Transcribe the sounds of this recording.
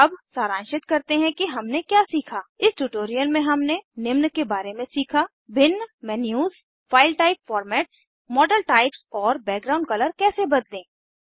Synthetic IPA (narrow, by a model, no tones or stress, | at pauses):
ɐbsaːɾãːnʃɪt̪kɐɾt̪eɦɛ̃kiɦɐmnekjaːsiːkʰaːɪsʈuːʈoːɾijəlmẽɦɐmnenɪmnkebaːɾemẽsiːkʰa | bɪnːmɛnjuːz | faːɪlʈaːɪpfɔːɾmɛːʈs | mɔːɖəlʈaːɪpsɔːɾbɛːk̚ɡɾaːʊ̃ɳɖ̚kɐləɾkɛːsebɐd̪lẽː